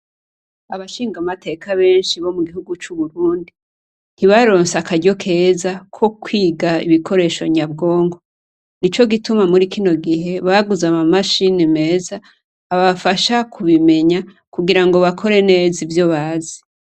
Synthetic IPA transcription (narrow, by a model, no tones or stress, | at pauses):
aβaʃiːŋɡamatʰe̞kaβe̞ːnʃiβo̞muɡihuɡut͡ʃuβuɾuːndi | n̥iβaɾo̞ːnsakaɟo̞kʰe̞ːzakʰo̞kwiːɡaiβikʰo̞ɾe̞ːʃo̞̰ɲabɡo̞ːŋɡo̞ | nit͡ʃo̞ɡitumamuɾikino̞ɡiɦe̞βaɡuzamamaʃinime̞ːzaː | βafaʃakʰuβime̞ɲa | kuɡiɾaŋɡo̞βakʰo̞ɾe̞ne̞ːzivjoβaːzi̥